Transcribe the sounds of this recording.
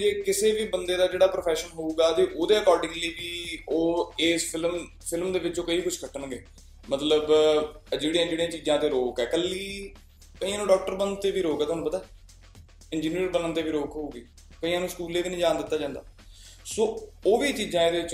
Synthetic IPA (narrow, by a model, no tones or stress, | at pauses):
d͡ʒeːkɪseːʋiːbənd̪eːd̪aːd͡ʒeːɽaːpɾoːpʰɛːʃənɦouːɡaːt̪eːʔoːd̪eːəkɔːɾɖɪ̃ŋliiːʋiːoːeːspɪlm | pʰɪlmd̪eːʋɪt͡ʃoːkəiːkʊʃʰkəʈənɡeː | mət̪ləbd͡ʒeːɽijãːd͡ʒeːɽijãːt͡ʃiːzãːt̪eːɾoːkɛːkəlːiː | kəiːãnũːɖɔːk̚ʈəɾbənt̪eːʋiːɾoːkɛːt̪ːɦnũpət̪aː | ɪnd͡ʒiːniːəɾbənənt̪eːʋiːɾoːkɦoːɡiː | kəĩːãːnũːskuːleːʋiːnĩːd͡ʒaːnd̪ɪt̪ːaːd͡ʒãːnd̪a̰ː | soːoːʋiːt͡ʃiːzãːeːd̪eːʋɪt͡ʃ